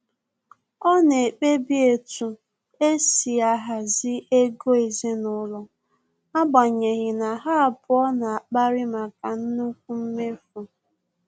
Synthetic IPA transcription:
ɔ˦ne˨e˨k͡pe˦bi˦e˨tu˨ | e˦si˨a˦ɦa˨zɪ˦e˦ɡo˦e˨zi˦nʊ˦lɔ˦ | a˦ɡ͡ba˨ɲe˨ɣɪ˨na˨ɦa˦a˨pʊ˦ɔ˦na˨a˨k͡pa˦ɾɪ˦ma˨ka˨n̩˦nu˦k̚ʷu˦m̩˦me˦fʊ˨

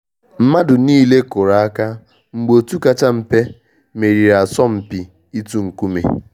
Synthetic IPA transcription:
m̩˦ma˦dʊ˨niː˦le˦kʊ˨ɾa˨a˦ka˦ | ŋ͡m̩˨ɡ͡bo˨tu˦ka˦t͡ʃa˦m̩˨pe˦ | me˨ɾi˨ɾa˨sɔ˦m̩˨pi˨ | i˦tu˦ŋ̩˨ku˦mḛ˨

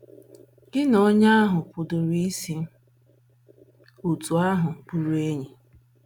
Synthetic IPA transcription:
ɡɪ˦no˦ɲa˦a˦ɦʊ˨pʊ˨dʊ˨ɾi˦si˦ | u˨tu˨a˦ɦʊ˨bu˨ɾu˦e˦ɲi˨

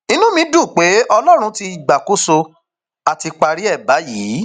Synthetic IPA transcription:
i˧nũ˦mĩ˧˦du˦˨k͡pe˨˦ɔ˧lɔ˦ɾ̃ũ˧ti˧i˨ɡ͡ba˨ko˦so˧ | a˨ti˧k͡pa˧ɾi˦ɛ˦˨ba˨˦jiː˨˦

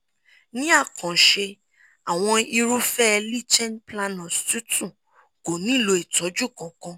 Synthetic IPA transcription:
nĩ˦a˦˨kɔ̃˨ʃe˧ | a˨w̃ɔ̃˧i˧ɾu˦fɛ˦˧li˦˨t͡ʃɛ˦npla˧nɔ̃˨stu˦tũ˦˨ | ko˨nĩ˨˦˨lo˧e˨tɔ˨˦d͡ʒu˦˨kɔ̃˨kɔ̃˧

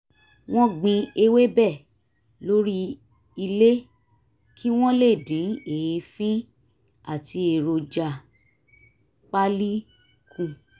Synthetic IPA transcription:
w̃ɔ̃˦ɡ͡bĩ˧e˧we˦bɛ˦˨ | lo˦ɾi˦ | i˧le˦ | ki˦w̃ɔ̃˦le˦˨dĩ˨˦e˨˧fĩ˦ | a˦˨ti˧e˨ɾo˧d͡ʒa˨ | k͡pa˦li˦ | kʰũ˦˨

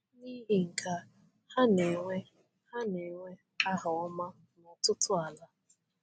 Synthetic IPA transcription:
ni˦ɦi˦˨ŋ̩˨kʰa˦ | ha˦ne˨ŋʷe˦ | ha˦ne˨ŋʷe˦ | a˦ɦʊ˨ɔ˦ma˦ | nɔ˨tʊ˦tʰʊ˦a˨la˦

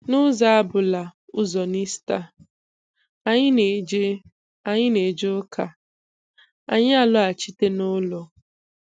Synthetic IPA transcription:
nʊ˦za˨a˦bʊ˨la˨ʊ˦zɔ˨ni˦sta˦ | a˨ɲɪ˦ne˨d͡ʒe˦ | a˨ɲɪ˦ne˨d͡ʒʊ˦kʰa˨ | a̰˨ɲ˦a˨lʊ˦a˨t͡ʃi˦te˦nʊ˦lɔ˨

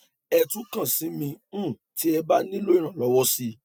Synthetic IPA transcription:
ɛ˧tũ˨˦kã˦˨sĩ˨˦mĩ˧˦˨ | ti˨˦ɛ˧ba˦nĩ˦lo˦i˦˨ɾ̃ã˨lɔ˨˦wɔ˦si˧

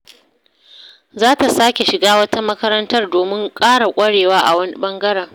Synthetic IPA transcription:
zaː˦ta˨saː˦kʲe˨ʃɪ˨ɡaː˦wɐ˦ta˦mɐ˦kɐ˦ɾɐ˦ntɐ˦rdoː˨mɪ˦ŋkʼaː˦ɽa˨kʷʼɐ˦ɽeː˨waː˦ʔa˨wɐ˦ni˦ɓɐ˦ŋɡɐ˦ɽɐ˨ŋ

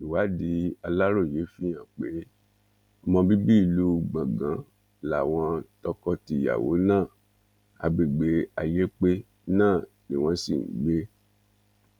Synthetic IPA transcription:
i˨wa˨˦di˨˦a˧la˦ɾo˦˨je˨˦fĩ˦jã˦˨k͡pe˨˦ | ɔ˧mɔ̃˧bi˦bi˦i˧˨lu˦ɡ͡bã˨ɡã˨˦ | la˨w̃ɔ̃˧tɔ˧kɔ˧ti˧˨ja̰˨wo̰˨˦nãː˦˨ | a̰˨ɡ͡be˨ɡ͡be˨˦a˨je˦k͡pe˦ | nãː˦˨ | nĩ˨w̃ɔ̃˦si˦˨ŋ̩˨˦ɡ͡be˦

